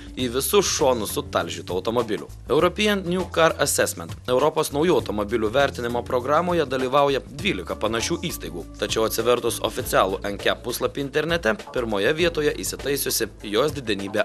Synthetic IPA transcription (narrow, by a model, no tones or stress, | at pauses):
iːʋʲɪsʊʃoːnʊsʊt̪ɐlʲʒʲit̪oːɐʊt̪ɔmɔbʲɪlʲʊ̰ | ɛʊɾɔpʲɪjɛnnʲjukɐɾɐsʲɛsʲmʲɛnt̪ɛʊɾɔpoːsnɒʊjuːɐʊt̪ɔmobʲɪlʲuːʋʲæˑɾʲt̪ʲɪnʲɪmoːpɾɔɡɾɑːmoːjɛd̪ɐlʲiːʋɑˑʊjɛd̪ʲʋʲiːlʲɪkɐpɐnɐʃʲuːʔiːst̪ɐɪɡuːt̪ɐt͡ʃʲɛʊɐt̪ʲsʲɪʋʲɛɾt̪ʊso̰fʲɪt̪sʲæːlˠuʔɛŋʲkʲɛpːʊslˠɐpʲiːɪnt̪ʲɛɾʲnʲɛt̪ʲɛpʲɪɾmoːjɛʋʲiɛt̪oːjɛʔḭsʲɪt̪ɐɪsʲʊsʲɪjoːsd̪ʲɪd̪ʲɛnʲiːbʲe